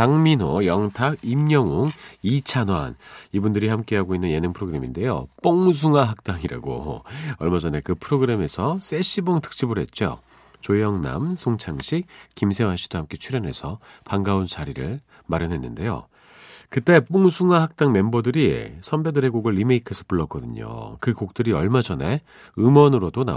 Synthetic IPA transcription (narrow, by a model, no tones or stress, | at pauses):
taŋmino̰jʌŋtʰaɡimɲʌŋoŋit͡ɕʰanwa̰nibundɯɾihamk͈e̞ɦaɡoinːɯnje̞nɯŋpʰɯɾoɡɯɾe̞minde̞jo̰p͈oŋs̬ʰuŋaɦak̚t͈aŋiɾa̰ɡo̰ʌɭmad͡ʑʌne̞kɯpʰɯɾoɡɯɾe̞me̞sʰʌs͈ʰe̞ɕ͈ʰiboŋtʰɯ̥k̚t͡ɕ͈ibɯɾɦe̞t̚t͡ɕ͈o̰ | t͡ɕojʌŋna̰msʰoŋt͡ɕʰaŋɕʰik̚kimsʰe̞wanɕʰi̥d̥ohamk͈e̞t͡ɕʰuɾjʌnɦe̞sʰʌpaŋɡaunt͡ɕaɾiɾɯɭ | maɾjʌnɦe̞nːɯnde̞jo̰ | kɯt͈e̞p͈oŋsʰuŋahak̚t͈aŋme̞mbʌdɯɾisʰʌmbe̞dɯɾe̞ɡoɡɯɭːimeikʰesʰʌ̥puɭːʌk͈ʌdɯɲo̰kɯkok̚t͈ɯɾiʌɭmad͡ʑʌne̞ | ɯmwʌnɯɾodona̰